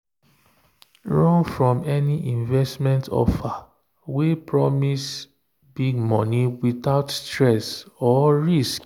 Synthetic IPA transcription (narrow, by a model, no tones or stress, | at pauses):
ɹɔ̃nfɹɔ̃mɛniʔĩnvɛstmɛ̃ntʰɔ̰fa | wepɹɔmis | biɡmɔ̃niwitaʊtstɹɛsɔɹisk